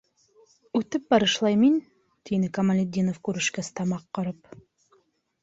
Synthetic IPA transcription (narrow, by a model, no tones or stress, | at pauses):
ʉt̪ɘp̚bɑɾɯʃlˠɑjmin | t̪inɘkɐmɐlʲɪd̪ʲːinofkʉɾɘʃkæst̪ɑmɑqːɤ̆ɾɤp